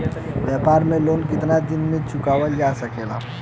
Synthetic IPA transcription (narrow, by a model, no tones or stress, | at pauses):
ʋjɛpaːɾmẽlonkɪt̪nad̪ɪnmẽt͡ʃʊkaʋəld͡ʒasəkeːla̰